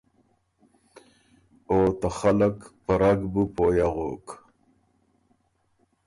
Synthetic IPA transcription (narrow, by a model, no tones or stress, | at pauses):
oːt̪aχalakpɐɾaɡbupoːjaʁoːk